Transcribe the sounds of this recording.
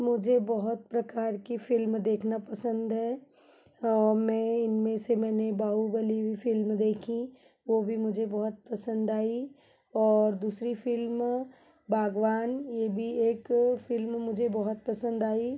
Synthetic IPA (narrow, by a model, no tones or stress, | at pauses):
mʊd͡ʒʱebɔɦʊt̪̚pɾɐkaːɾkifʰɪlmd̪eːkʰnapəsə̃nd̪ɦɛː | ɔːɾmɛ̃ɪnmẽsemɛ̃ːnebaːɦubəliifʰɪlmd̪eːkʰĩ | ʋobʱimʊd͡ʒʱebɐɦʊt̪̚pəsə̃nd̪aːi | ɔːɾd̪uːsɾifʰɪlm | bʱaːɡʋaːnjebʱieːkfɪlmmʊd͡ʒʱebɔɦʊt̪̚pəsə̃nd̪aːi